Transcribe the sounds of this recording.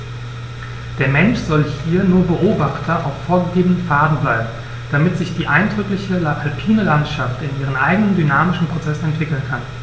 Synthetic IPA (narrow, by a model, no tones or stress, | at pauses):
d̥eːɐmɛnʃz̥ɔlhiːɐnuːɐbəʔoːbaχtʰɐʔaʊfːoːɐɡəɡeːbənənfaːdn̩blaɪbm̩ | d̥amɪtz̥ɪçd̥iːʔaɪndʁʏklɪçəlapʰalpʰiːnəlantʃaftɪnʔiːʁ̞ənʔa̰ɪɡənəndynaːmɪʃn̩pʁ̥ot͡sɛsn̩ɛntv̥ɪkl̩nkʰan